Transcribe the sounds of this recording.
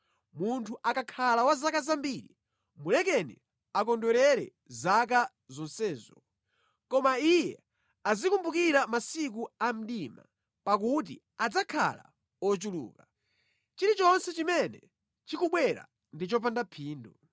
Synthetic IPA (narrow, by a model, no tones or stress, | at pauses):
muntʰuʔakakʰalawazakazambiɾi | mulɛkɛnḭ | ak̬ɔndɔɾɛɾɛ̰ | zak̬a | zɔnsɛːzɔ | kɔmaijɛ | azikumbukiɾamasik̬uam̩ɗima̰ | pak̬ut̬ḭ | ad͡zakʰa̰la̰ | ɔt͡ʃulṵːka | t͡ʃiɾit͡ʃɔnsɛt͡ʃimɛnɛ | t͡ʃikuɓwɛɾa̰ | ndit͡ʃɔp̬andapʰiːndu